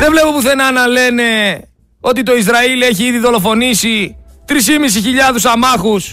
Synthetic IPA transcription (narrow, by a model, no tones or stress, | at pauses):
ðevle̞popuθe̞nɐnɐle̞ne̞ | o̞t̪it̪o̞izɾɐile̞çiiðiðo̞lo̞fo̞nisit̪ɾisimis̬içiʎɐðusɐmɐxus